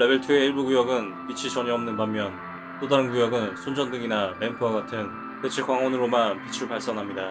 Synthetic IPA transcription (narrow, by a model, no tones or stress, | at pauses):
ɾe̞beɭtʰueiɭbuɡujʌɡɯn | pit͡ɕʰit͡ɕʌɲiʌmnɯnbamːjʌn | t͈odaɾɯnkujʌɡɯnsʰond͡ʑʌndɯŋinaɾempʰɯwaɡatʰɯn | ket͡ɕʰikwaŋonɯɾomanpit͡ɕʰiɾuɭpaɭs͈ʌnɦamɲida